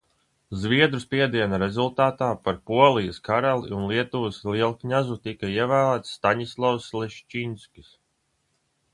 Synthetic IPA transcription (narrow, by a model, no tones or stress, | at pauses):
zviɛd̪ɾuspiɛd̪iɛnaɾezulˠt̪aːt̪aːpaɾpuɔlˠijɐskaɾalˠiunlˠiɛt̪uːsliɛlˠkɲazut̪ikaiɛvæːlˠæːt̪sːt̪aɲislˠɔwslˠɛʃt͡ʃinsʲkʲi̥s